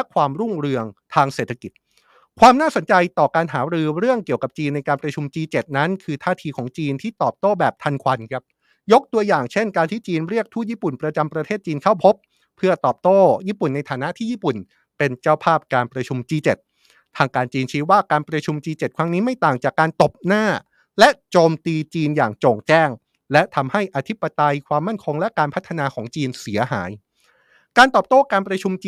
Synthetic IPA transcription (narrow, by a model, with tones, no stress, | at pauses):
lɛ˦˥kʰwaː˧mɾu˥˩ŋɾɯ˧əŋt̪ʰaː˧ŋseː˨˩t̪ʰːa˧ki˨˩t̪̚ | kʰwaː˧mnaː˥˩so˩˦nt͡ɕa˧jt̪ɔː˨˩kaː˧nɦaː˩˦ɾɯː˧ɾɯ˥˩əŋki˨˩əwka˨˩p̚t͡ɕiː˧nːa˧jkaː˧npɾa˧t͡ɕʰu˧mt͡ɕiː˧t͡ɕe˨˩t̪̚na˦˥nkʰɯː˧t̪ʰaː˥˩t̪ʰiː˧kʰɔː˩˦ŋt͡ɕiː˧nt̪ʰiː˥˩t̪ɔː˨˩p̚t̪oː˥˩bɛː˨˩p̚t̪ʰa˧nkʰwa˧nkʰɾa˦˥p̚ | jo˦˥k̚t̪u˧ɐjaː˨˩ŋt͡ɕʰe˥˩nkaː˧nt̪ʰiː˥˩t͡ɕiː˧nɾi˥˩ək̚t̪ʰuː˥˩jiː˥˩pu˨˩npɾa˧t͡ɕa˧mpɾa˧eː˥˩t̪̚t͡ɕiː˧nkʰa˥˩wpʰo˦˥pʰː | ɯ˥˩ɐt̪ɔː˨˩p̚t̪oː˥˩jiː˥˩pu˨˩nːa˧jt̪ʰaː˩˦na˦˥ʔt̪ʰiː˥˩jiː˥˩pu˨˩n | pe˧nt͡ɕa˥˩wpʰaː˥˩p̚kaː˧npɾa˧t͡ɕʰu˧mt͡ɕiː˧t͡ɕe˨˩t̪̚ʰː | aː˧ŋkaː˧nt͡ɕiː˧nt͡ɕʰiː˦˥waː˥˩kaː˧npɾa˧t͡ɕʰu˧mt͡ɕiː˧t͡ɕe˨˩t̪̚kʰɾa˦˥ŋniː˦˥ma˥˩jt̪aː˨˩ŋt͡ɕaː˨˩kːaː˧nt̪o˨˩p̚naː˥˩ | lɛ˦˥t͡ɕoː˧mt̪iː˧t͡ɕiː˧nja̰ː˨˩ŋt͡ɕoː˨˩ŋt͡ɕɛː˥˩ŋ | lɛ˦˥t̪ʰa˧mha˥˩jʔa˧t̪ʰi˦˥pːa˧t̪a˧jkʰwaː˧mːa˥˩nkʰo˧ŋlɛ˦˥kaː˧npʰa˦˥t̪ʰːa˧naː˧kʰɔː˩˦ŋt͡ɕiː˧nsi˩˦ɐɦa̰ː˩˦j | kaː˧nt̪ɔː˨˩p̚t̪oː˥˩kaː˧npɾa˧t͡ɕʰu˧mt͡ɕː